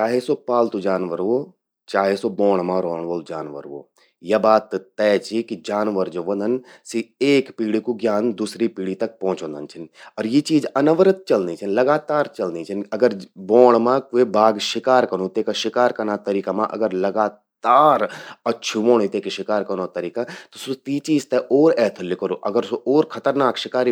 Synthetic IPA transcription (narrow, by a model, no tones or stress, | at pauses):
t͡ʃaːɦesopaːlt̪ud͡ʒaːnʋəɾo | t͡ʃaːɦesoboːɽ̃mãɾoːɳʋoːld͡ʒaːnʋə̰ɾʋo̰ː | jɐbaːt̪ːt̪ːɛːt͡ʃikid͡ʒaːnʋəɾd͡ʒoʋɐ̃nd̪ɐn | sieːkpiːɽikuɡjaːnd̪uːsɾipiːɽit̪ɐk̚pɔ̃ɦʊ̃t͡ʃõːnd̪ənt͡ʃʰɪnɔːɾjet͡ʃiːd͡ʒɐnəʋəɾət̪̚t͡ʃɐlnit͡ʃʰinlɐɡaːt̪aːɾt͡ʃɐlnit͡ʃʰɪnɐɡəɾboːɳ̃mãkuebaːɡʃɪkaːɾkɐñũt̪eːkaʃɪkaːɾkɐnat̪ɐɾiːkamã̰ʔɐ̰ɡəɾlɐɡaː | t̪aːɾɐtːʃʰuʋõːɽ̃it̪eːkeʃɪkaːɾkɐñot̪ɐɾiːkat̪osut̪iːt͡ʃiːzt̪eʔoːɾɛːt̪ʰlɪkəɾoːʔɐɡəɾsoʔoːɾkʰɐt̪əɾnaːkʃɪkaːɾi